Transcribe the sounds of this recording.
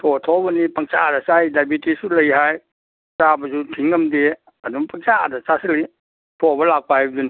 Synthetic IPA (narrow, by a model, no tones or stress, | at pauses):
tʰɔtʰɔbɐnipɐŋt͡ʃadasajdajbitisulɐjɦaj | sabɐsutʰiŋɡɐmde | ɐduŋpɐŋt͡ʃadasasili | pʰɔbɐlak̚paajbdun